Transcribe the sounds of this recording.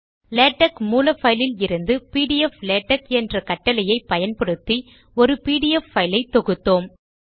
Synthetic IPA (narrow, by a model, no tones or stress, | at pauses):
leːʈːɐkmuːlɐfɐɪlɪlɪɾɯnd̪ɯpiːɽɪjɛfleːʈːɐkɛndrɐkɐʈːɐlɐjɐɪpɐjɐnpɐɽɯt̪ːi | ɔɾɯpiːɽɪjɛfːɐɪlɐɪt̪ːɔɣɯt̪ːoːm